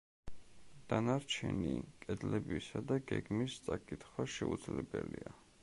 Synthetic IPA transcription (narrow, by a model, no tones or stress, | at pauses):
d̪̥anaɾt͡ʃʰɛnikʼɛd̪lɛbisad̪aɡɛɡmist̪sʼakʼit̪χwaʃɛud̪zlɛbɛlia